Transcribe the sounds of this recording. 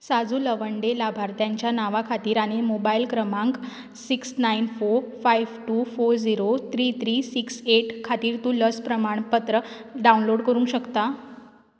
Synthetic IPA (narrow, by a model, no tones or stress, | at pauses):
sad͡zuːləʋəɳɖelabʱaɾt̪jaɲt͡ɕjanaʋakʰat̪iːɾaɽ̃emobailkɾəmãŋk | siksnainfoɾfajʋʈuːfoɾd͡ziɾot̪ʰɾiːt̪ʰɾiːsikseʈkʰat̪iːɾt̪uːləspɾəmaɳ̃pət̪ɾəɖaunloɽkəɾũŋkɕəkt̪a